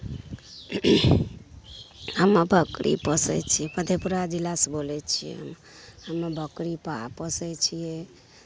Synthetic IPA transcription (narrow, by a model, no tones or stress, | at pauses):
ɦəmːəbʱəkɾʔḭpəsɛ̰t͡ʃʰiɛpəd̪ʱepuɾad͡ʒilasbolɛt͡ʃʰijɛ̰ə̰m | həmːbʱəkɾipapəsɛt͡ʃʰijɛ